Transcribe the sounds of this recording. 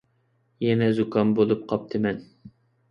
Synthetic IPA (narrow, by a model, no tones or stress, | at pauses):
jɛnɛzukʰɑnbolˠup̚qʰɑp̚t̪ʰɨmɛn